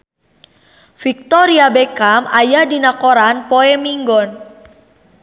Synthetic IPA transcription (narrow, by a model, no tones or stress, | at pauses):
fik̚t̪ɔɾiabekamajahdinakoɾanpoɛmiŋɡɔn